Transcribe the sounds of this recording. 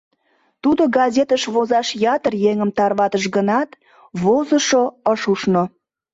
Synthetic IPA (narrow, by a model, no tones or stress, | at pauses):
t̪ud̪oɡɑzʲet̪əʃβozɑʃjɑt̪ərjeŋəmt̪ɑrβɑt̪əʃɡənɑt̪ | βozəʃoəʃuʃno